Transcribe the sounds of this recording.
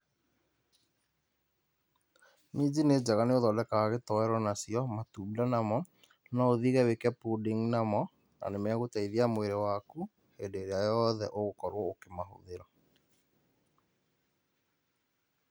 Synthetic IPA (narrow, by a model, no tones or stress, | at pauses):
mid͡ʑined͡ʑaɣaneoðɔdɛkaaɣetɔɛɾɔnasiɔmatuːdanamɔ | nɔoðiɣɛwekɛpudiŋnamɔ | na̰nemɛaɣotaiðiamoeɾewaku | hedeːɾeajɔðɛ̰ʔoɣokɔɾwɔokemaɦo̰ðeɾɔ